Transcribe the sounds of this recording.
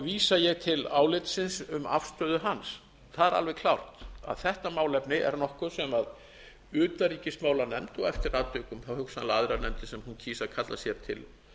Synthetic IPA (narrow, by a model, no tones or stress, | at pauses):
viːsajɛɣt̪ʰɪlaːwlɪt̪sɪnsʏma̰fst̪œːðʏɦans | θaðɛɾa̰lvɛɣkʰlawr̥t̪a̰ðθɛht̪amaːwlɛpnɪʔɛ̰ɾnɔhkʏsɛmað | ʏːt̪aɾiːcɪsmaːwlanɛmt̪ɔɣɛft̪ɪɾat̪ʏːkʏmθawhʏksanlaðɾanɛmt̪ɪsɛmhuncʰiːsaðkʰat̪lasjɛɾ̥t̪ʰɪl